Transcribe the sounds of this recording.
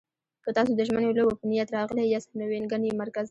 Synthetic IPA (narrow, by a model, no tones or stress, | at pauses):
kət̪ɑsod̪əʒmənolobafnijat̪ɾɑɣlajjɑsamewenɡanemaɾkaz